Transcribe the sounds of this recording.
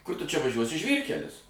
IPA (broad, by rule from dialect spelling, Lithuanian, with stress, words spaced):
ˈkʊr tʊ t͡ʃʲɛ ʋɐˈʒʲuɔsʲɪ ˈʒʲʋʲiːrʲkʲɛlʲɪs